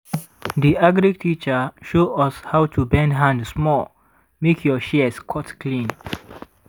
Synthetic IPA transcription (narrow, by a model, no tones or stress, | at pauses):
diʔaɡɹiɡtʰit͡ʃəʃoɔshawtʰubɛ̃ndɦãndsmɔl | mekʰjɔʃɛskʰɔtklĩn